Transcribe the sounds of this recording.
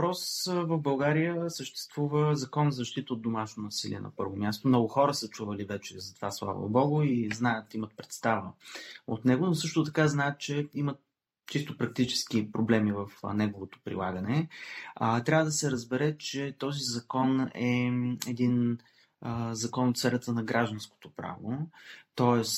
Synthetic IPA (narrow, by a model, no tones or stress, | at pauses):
vpɾɔsvəvbɐlˠɡaɾijəsəʃt̪ɛ̥st̪v̥uvəzɐkɔnzzəʃt̪it̪əot̪d̪omaʃnonɐsilḭɛ̰nɐ̰pɤ̰ɾvomʲjast̪omnɔɡʊxɔɾəsət͡ʃuvəlivɛt͡ʃɛzɐt̪o̥vaslˠa̰vo̰bɔɡʊiznajət̪imət̪̚pɾɛt̪st̪avəot̪nɛɡonosɤʃt̪ot̪ɐkaznaɛt̪̚t͡ʃɛimət̪ | t͡ʃist̪opɾɐk̚t̪it͡ʃɛ̥skipɾoblɛmivəfnɛɡovot̪o̥pɾḭlˠaɡənɛ | t̪ɾʲavəd̪ɐsɛɾəzbɛɾɛt͡ʃɛt̪ɔzizɐkɔnɛɛd̪in | əzɐkɔnot̪sɛɾʲət̪ənɐɡɾaʒd̪ə̃nsko̥t̪opɾa̰vot̪ɔɛs